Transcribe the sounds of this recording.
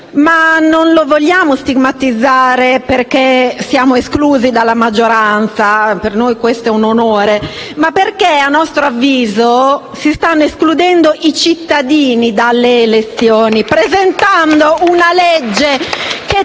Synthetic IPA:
manonlovoʎːaːmost̪iɡmat̪id̪zːaːɾeperkesjaːmoeskluːzid̪alːamad͡ʒːoɾant̪sapernojkwest̪oɛunonoːɾemapːerkeanːɔst̪ɾoavːiːzo | sist̪anːoesklud̪ɛnd̪oʔit͡ʃit̪ːad̪iːnid̪alːeːlet̪sːjɔːnipɾezent̪and̪ounalɛed͡ʒːeke

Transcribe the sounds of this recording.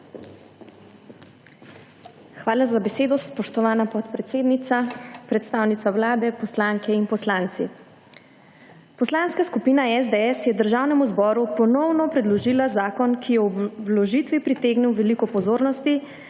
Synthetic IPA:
xʋaːlazabɛseːd̪ɔspɔʃt̪ɔʋaːnapɔt̪pɾɛt̪seːd̪nit̪sapɾɛt̪st̪aːwnit̪sawlaːd̪ɛpɔslaŋkɛinpɔslaːnt̪si | pɔslanskaskupiːnaɛzd̪ɛɛsjɛd̪əɾʒaːwnɛmuzbɔːɾupɔnɔwnɔpɾɛd̪lɔʒiːlazaːkɔnkʰijɛwlɔʒit̪ʋipɾit̪eːɡnɛwʋɛlikɔpɔzoːɾnɔst̪i

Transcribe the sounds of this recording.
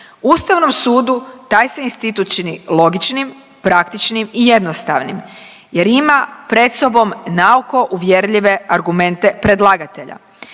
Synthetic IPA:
uːst̪aʋno̞msuːd̪ut̪aːjseinst̪it̪ut̪̚t͡ʃinilo̞ɡit͡ʃnim | pɾakt̪it͡ʃnimije̞d̪no̞st̪a̰ʋnim | je̞ɾimapɾe̞d̪so̞bo̞mnauko̞ʔuʋje̞ɾʎʲiʋe̞aɾɡume̞nt̪e̞pɾe̞d̪lˠaːɡat̪e̞ʎa̰

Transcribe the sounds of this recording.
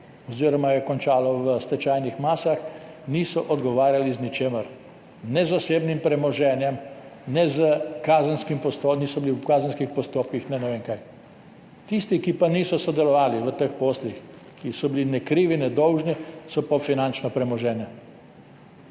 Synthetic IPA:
ɔziːɾɔmajɛkɔnt͡ʃaːlɔʋəst̪ɛt͡ʃajnixmaːsax | niːsɔʔɔd̪ɡɔʋaːɾjaliznit͡ʃeːməɾ | nɛzaseːbnimpɾɛmɔʒɛːnjɛmnɛzəkaːzənskimpɔst̪oniːsɔbiliwkaːzənskixpɔst̪oːp̚kixnɛnɛʋeːŋkaj | t̪ist̪ikipaniːsɔsɔd̪ɛlɔʋaːliʋət̪əxpoːslix | kisɔbilinɛkɾiːʋinɛd̪ɔwʒnisɔpɔfinant͡ʃnɔpɾɛmɔʒɛːnɛ

